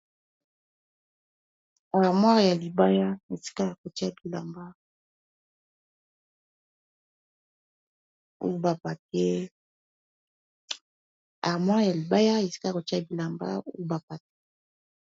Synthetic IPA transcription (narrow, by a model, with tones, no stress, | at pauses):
a˨ʁmwa˦ʁja˨li˨ba˦ja˦e˨si̥˦ka˦a˨ko˨ti˦a˦bi˨la̰˨mba˦ | o̰˦ba˨pa˨tɛ˦ | a̰˨ʁmwa˦ʁja˨li˨ba˦ja˦e˨si̥˦ka˦˨ko˨ta˦bi˨la˨mba̰˦o̰˦ba˨pa˨te̥˦